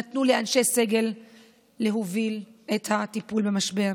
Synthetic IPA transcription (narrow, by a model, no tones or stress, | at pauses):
at̪nuleanʃe̞se̞ɡe̞lː | eɦovilethatipulbemaʃbe̞ʁ